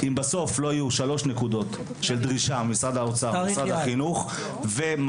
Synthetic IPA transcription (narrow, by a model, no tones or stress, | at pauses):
imbaso̞flo̞ajuʃalo̞ʃne̞kud̪o̞t̪ | ʃe̞ld̪ʁiʃamisʁad̪haot͡samisʁad̪haχinuχ | vem